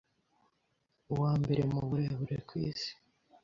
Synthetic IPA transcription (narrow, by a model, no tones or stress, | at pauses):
uwaːmbe̞ɾemuβuɾeβuɾḛkwḭːsi̥